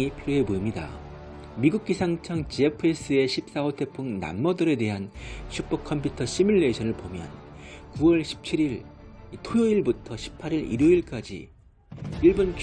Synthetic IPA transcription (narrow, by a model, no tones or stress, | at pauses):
ipʰiɾjoɦe̞boimɲida̰ | miɡuk̚k͈isʰaŋt͡ɕʰʌŋt͡ɕiepʰɯe̞s͈ɯe̞ɕʰip̚s͈aotʰe̞pʰuŋna̰mːʌdʌɾe̞de̞ɦanɕʰup͈ʌk̚kʰʌmpʰjutʰʌɕʰimuɭːe̞ɕʰʌnɯɭpomjʌ̰n | kuwʌɭɕʰi̥p̚t͡ɕʰiɾiɭitʰojoiɭbutʰʌɕʰi̥pʰaɾiɾḭɾoiɭk͈ad͡ʑḭ | iɭbonk